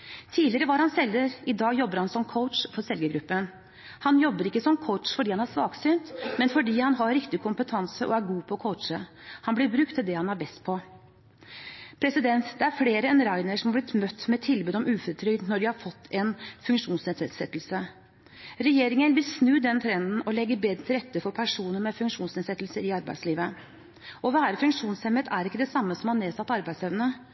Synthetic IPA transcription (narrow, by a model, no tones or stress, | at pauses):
t̪ʰiːlɪəɾəʋɑɾhɑnsɛlːəɾɪd̪ɑːɡjɔbːəɾhɑnsɔmkʰəʊt̪ʂfɔɾsɛlɡəɡɾʉpːən | hɑnjɔbːəɾɪkːəsɔmkʰɔʊt̪ʂfɔɖiːhɑnæʂʋɑːɡsyːnt̪mɛnfɔɖiːhɑnɦɑɾɾɪkt̪ɪkʰʊmpət̪ʰɑnsəʔɔ̰æɾɡuːpʰɔkʰɔʊt̪ʂəhɑnblɪɾbɾʉkt̪ʰːɪld̪ɛhɑnɑɾbɛst̪̚pʰɔ | pʰɾɛsɪd̪ɛnt̪d̪̥ɛæɾfleːɾəɛnɾæɪnəʂɔmhɑblɪt̪mœt̪ːmɛt̪ʰɪlbʉːd̪ɔmʉːfɔɾt̪ʰɾʏɡd̪nɔɖɪhɑɾfɔt̪ːɛnfʉŋkʂuːnsnɛːd̪sɛd̪sɛt̪ːl̩sə | ɾɛjeːɾɪŋənʋɪlsnʉːd̪ɛnt̪ʰɾɛnd̪n̩ɔlɛɡːəbeːd̪ɾət̪ʰɪlɾɛt̪ːəfɔɾpʰæʂuːnəɾmɛfʉŋʂuːnsnɛːsɛt̪ːl̩səɾɪɑɾbæ̰ɪd̪sliːʋə | ʔɔʋæːɾəfʉŋkʂuːnshɛmət̪ʰæɾɪkːəd̪ɛsɑmːəsɔmhɑnneːsɑt̪ːɑɾbæɪseʋnə